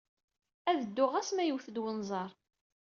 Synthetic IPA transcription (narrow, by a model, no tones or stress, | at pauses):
æðəd̪ːʊʁæsmæjəwθəd̪wənzˤɑɾˤ